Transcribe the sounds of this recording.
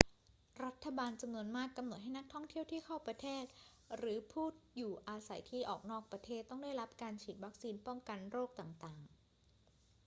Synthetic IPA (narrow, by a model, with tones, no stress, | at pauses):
ɾa˦˥t̪ʰːa˧baː˧nt͡ɕa˧mnu˧ənmaː˥˩kːa˧mno˨˩t̪̚ɦa˥˩jna˦˥k̚t̪ʰɔ˥˩ŋt̪ʰi˥˩əwt̪ʰiː˥˩kʰa˥˩wpɾa˧t̪ʰeː˥˩t̪̚ | ɾɯː˩˦pʰuː˥˩t̪̚juː˨˩ʔaː˧sa˩˦jt̪ʰiː˥˩ʔɔː˨˩k̚nɔː˥˩k̚pɾa˧t̪ʰeː˥˩t̪ːɔ˥˩ŋdaː˥˩jɾa˦˥p̚kaː˧nt͡ɕʰiː˨˩t̪̚wa˦˥k̚siː˧npɔ˥˩ŋka˧nɾoː˥˩k̚t̪aː˨˩ŋt̪aː˨˩ŋ